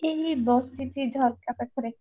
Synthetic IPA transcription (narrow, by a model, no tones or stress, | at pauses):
eɦibɔsitid͡ʒʱɔlkapakʰɔɾe